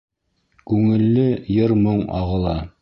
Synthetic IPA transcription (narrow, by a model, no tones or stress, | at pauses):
kʉŋɘ̆lːɘjɤɾmoɴɑ̰ʁɤ̆lˠɑ